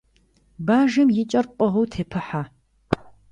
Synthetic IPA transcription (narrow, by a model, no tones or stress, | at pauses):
baːʒɐmjɪt͡ʃʼɐrqʼɔʁuwtʰeːpʰɨħaː